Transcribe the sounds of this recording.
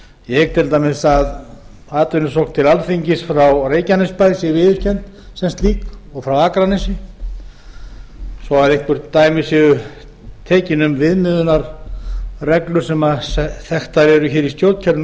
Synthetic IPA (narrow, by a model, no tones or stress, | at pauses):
jɛt̪ʰɪlt̪amɪðsað | aːt̪ʏnʏsowkt̪ʰɪlalθiɲcɪsfɾawreːjcanɪspajsɪvɪːðʏscɛnt̪ | sɛmst̪liːkɔɣfɾawaːkɾanɪsɪ | sɔaðehkvʏɾt̪aːjmɪsɪɣʏ | t̪ʰɛːcɪnʏmvɪðmɪðʏnaɾ | rɛklʏɾ̥sɛmasɛθɛht̪aɾɛɾʏçɛːɾist̪jowt̪cʰɛɾ